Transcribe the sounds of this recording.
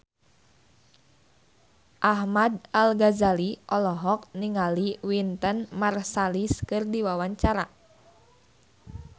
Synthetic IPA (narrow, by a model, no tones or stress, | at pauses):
ʔahmadalɡazaliʔɔlɔɦɔk̚niŋaliwint̪ənmarsaliskɨrdiwawaɲt͡ʃaɾa